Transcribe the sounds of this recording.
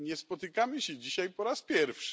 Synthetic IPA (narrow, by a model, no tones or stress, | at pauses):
ɲɛspɔt̪ɘkamɘɕɛd͡ʑiɕajpɔɾaspʲjɛɾfʂɘ̥